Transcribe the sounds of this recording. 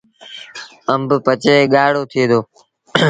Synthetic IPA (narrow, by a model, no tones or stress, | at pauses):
əmbpət͡ʃeːɠaːɽoːt̪ʰɪeːd̪oː